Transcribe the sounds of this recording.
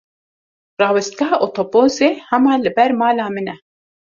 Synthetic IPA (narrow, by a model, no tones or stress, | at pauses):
rɑːwɛst̪̚ɡɑɦɑːʔot̪ʰopoːzeːhɛmɑːlɨbɛɾmɑːlɑːmɨnɛ